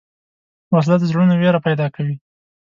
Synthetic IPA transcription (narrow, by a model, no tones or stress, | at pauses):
was̬lat̪zɽunaweɾapajd̪ɑkawi